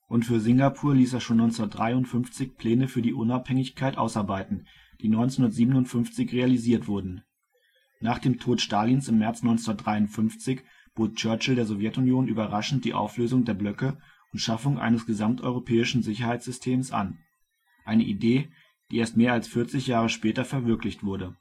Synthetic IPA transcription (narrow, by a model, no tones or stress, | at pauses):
ʔʊntfyːɐzɪŋɡapʰuːɐliːseːɐʃoːnɔʏnt͡sndɐt̚d̥ʁaɪʊntfʏnft͡sɪçpʰl̥ɛːnəfyːɐdiːʔʊnaphɛŋɪçkʰaɪtʔa̰ʊsaɐbaɪtn̩ | d̥iːnɔʏnt͡snhʊndɐtz̥iːbənʊntfʏnft͡sɪçʁealiziːɐtv̥ʊɐdn̩ | naːχd̥eːmtʰoːtʃtaːlinsɪmːɛɐt͡snɔʏnt͡sndɐtdʁaɪʊntfʏnft͡sɪç | b̥oːt̚t͡ʃœɐt͡ʃl̩deːɐzɔvjɛtʊnjoːnʔyːbɐʁaʃn̩td̥ḭːʔa̰ʊfløːzʊŋdeːɐblœkə | ʔʊntʃafʊŋʔa̰ɪnəsɡ̥əzamtʔɔʏʁopʰɛːɪʃn̩zɪçɐhaɪt͡sz̥ʏstʰeːmsʔa̰n | ʔaɪnəʔideː | d̥iːʔeːɐstmeːɐalsfɪɐt͡sɪçjaːʁ̞əʃpɛːtɐfɛɐvɪɐklɪçtv̥ʊɐdə